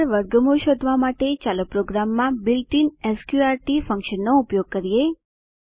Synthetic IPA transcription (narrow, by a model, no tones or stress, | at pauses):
ɾʋəɾɡəmuʃod̪ʱʋamaʈet͡ʃalopɾoɡɾamːãbɪlʈinɛskjuaɾʈifə̃ŋkʃənːoupjoɡ̚kəɾije